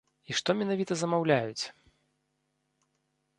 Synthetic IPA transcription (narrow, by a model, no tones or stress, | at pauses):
iʂt̪ɔmʲɛnavʲit̪ɐzɐmawlʲajut͡sʲ